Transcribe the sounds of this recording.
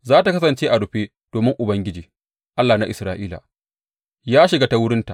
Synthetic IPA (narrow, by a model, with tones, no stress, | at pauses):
zaː˦ta˨kɐ˦s̬ɐ˨nt͡ʃeː˦ʔa˨ɽʊ˨ɸeː˦ | d̥oː˨mɪ˦ŋʔʊ˨bɐ˦ŋɡʲɪ˦d͡ʒiː˨ | ʔa˦lːaː˨na˦ʔɪ˨sɾaː˦˨ʔiː˦la̰˨ | jaː˦ʃɪ˨ɡaː˦ta˦wʊ˦ɽɪ˦nta˨ʔ